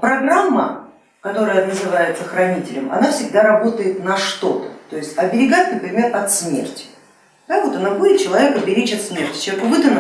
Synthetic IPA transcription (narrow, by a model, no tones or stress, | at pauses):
pɾɐɡramːə̰ | kɐt̪o̞ɾəjənəzɨvajɪt̪səxɾɐnʲitʲɪlʲɪmɐ̰nafsʲɪɡ̚d̪aɾɐbo̞t̪əjɪt̪nɐʂt̪o̞t̪ət̪o̞jɪsʲtʲɐbʲɪɾʲɪɡat̪ʲnpɾʲɪmʲe̞rɐt̪smʲe̞̰rtʲɪ̥ | d̪̥avo̞t̪ɐnabudʲɪt̪̚t͡ɕɪlˠɐvʲe̞kɐbʲɪɾʲet͡ɕɐt̪smʲe̞rtʲɪ̥ekʊvɨd̪ən